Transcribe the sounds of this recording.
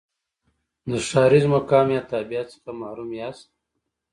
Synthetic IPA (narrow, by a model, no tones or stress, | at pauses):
noʂaːɾizmokaːmjat̪aːbijat̪skamaɾumjast̪̚